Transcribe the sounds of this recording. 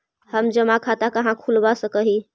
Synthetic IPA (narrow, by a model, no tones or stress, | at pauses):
həmd͡ʒəmakʰat̪akəɦãkʰulbasəkəɦi